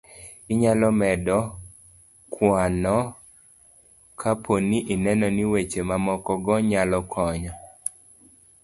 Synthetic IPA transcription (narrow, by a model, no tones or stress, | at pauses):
iɲalɔmɛdɔ | kwanɔ | kʰapʰoniʔinɛnɔniwet͡ʃemamɔkɔɡɔɲalɔkʰɔɲɔ